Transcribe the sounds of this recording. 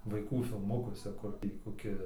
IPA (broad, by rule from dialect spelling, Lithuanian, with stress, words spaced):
ʋɐɪˈkuː fʲɪlˠˈmʊkuɔsʲɛ ˈkʊr tʲiː koːˈkʲɪ